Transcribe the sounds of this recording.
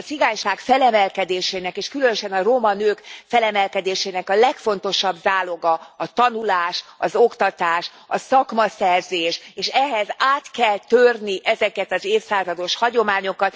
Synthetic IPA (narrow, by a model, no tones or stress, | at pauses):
siɡaːɲʃaːkfɛlɛmɛlkɛd̪eːʃeːnɛkeːʃkylø̞nøʃɛnɒromɒnøːkfɛlɛmɛlkɛd̪eːʃeːnɛkɒlɛkfo̞nt̪o̞ʃɒbzaːloɡɒɒt̪ɒnulaːʃɒzo̞kt̪ɒt̪aːʃ | ɒsɒkmɒsɛrzeːʃeːʃɛɦɛzaːt̪kɛlt̪ørniʔɛzɛkɛt̪ɒzeːfsaːzɒd̪o̞ʃhɒɟo̞maːɲo̞kɒt̪